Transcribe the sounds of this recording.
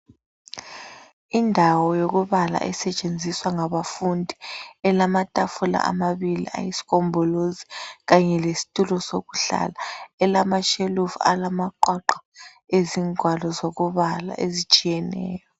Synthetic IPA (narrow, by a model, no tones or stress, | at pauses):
indʱawɔjoɣuβala̰ʔɛsɛt͡ʃʼend͡zʱiswaŋaβafundʱiɛlamatʼafula̰ʔa̰maβilḭʔa̰jisi̥ɣɔmbʱɔloziɣaɲɛlesi̥tʼulɔsoɣuɬa̰laɛlamaʃelufa̰lamaǃwaǃḁ | eziŋʱwalɔzoɣuβala̰ʔezit͡ʃʼijɛnɛ̰ːjɔ